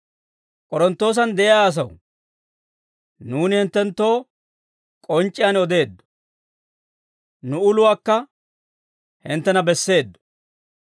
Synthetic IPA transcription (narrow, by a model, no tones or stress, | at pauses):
kʼɔɾɔnt̪ːo̞ːs̬ɐnd̪ɛʔɪjaːs̬ɐw | nuːnɪhɪnt̪ːɛnt̪ːo̞ː | kʼɔnt͡ʃʼːɪjanɔd̪e̞ːd̪ːɔ̥ | nʊʊlʊwaːkːɐ | hɪnt̪ːɛnɐbɛsːe̞ːd̪ːɔ̥